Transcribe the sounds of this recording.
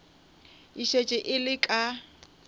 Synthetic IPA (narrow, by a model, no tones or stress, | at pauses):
iʃet͡ʃʼɪʔɪlɪkʼa